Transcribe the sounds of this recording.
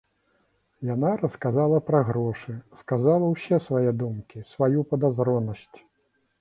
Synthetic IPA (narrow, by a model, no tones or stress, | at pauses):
janaɾɐskazalˠɐpɾɐɣɾɔʂɨskazalˠɐwsʲɛsvajɛd̪umkʲisvajupɐd̪azɾɔnɐsʲt͡sʲ